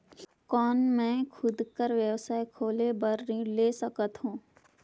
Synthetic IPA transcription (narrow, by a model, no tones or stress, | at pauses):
kɔːnmɛ̃ːkʰʊd̪kəɾʋjəwsaːekʰoːlebəɾileːsɐkət̪ɦũː